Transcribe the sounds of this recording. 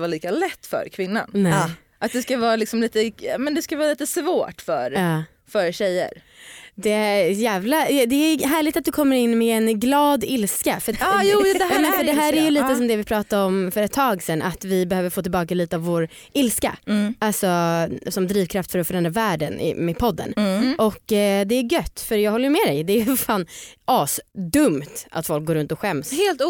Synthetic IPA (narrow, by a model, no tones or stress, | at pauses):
vaːliːkalɛt̪ːfœ̰ɾkʰvɪnːa̰nnɛ | ʔat̪̚d̪ɛskavɑːɾalɪksɔmliːt̪əɑmɛnd̪ɛskavɑːliːt̪əsvoːʈfœ̰ɾɑː | fœɾɕɛjːə̰ɾd̪ɛæjæːvlad̪ɛɦæːɭɪɡt̪at̪d̪ɵkʰɔmːəɾɪnːmɛɛnɡlɑːd̪ɪlskafœt̪ɑjuːd̪ɛjɑːmɛnfœɖɛɦæːɾæjɵliːt̪əsɔmd̪ɛvɪpʰɾɑːt̪aɾɔmfœɾɛt̪ʰːɑːɡsɛnʔa̰t̪vɪbɛhøːvəɾfoːt̪ɪlbɑːkaliːt̪əavvoɾ | ɪlska̰alsɔsɔmd̪ɾiːvkʰɾaft̪fœɾɔfœɾɛnd̪ɾavæːɖənɪ̰mɛpʰɔd̪ːə̰nʔɔkːd̪ɛæɡœt̪ːfœɾjɑːɡhɔlːəjɵmɛd̪ɛjd̪ɛæjfaːnʔɑːsd̪ɵmt̪a̰t̪fɔlk̚ɡoːɾɵnt̪ɔɧɛmshːlt̪